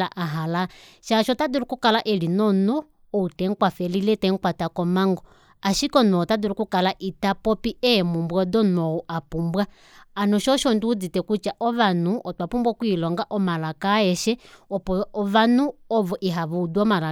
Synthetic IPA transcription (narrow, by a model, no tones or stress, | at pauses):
aʔaɦala | ʃaʃɔtadiɾukukalaʔɛlinɔnɔː | utɛŋkwafɛlilɛtɛŋkwatakɔmaŋɡɔ | aʃikɔnɔːtadiɾukukalaʔitapɔpiɛmumbwɔdɔnɔuʔapumbwaː | nɔʃɔʃɔndiud͡zitɛkut͡ʃaʔɔβanuʔɔtwapumbwakwilɔŋɡaʔɔmalakaɛʃɛɔpɔβanuɔβɔʔiɦaβuuduɔmala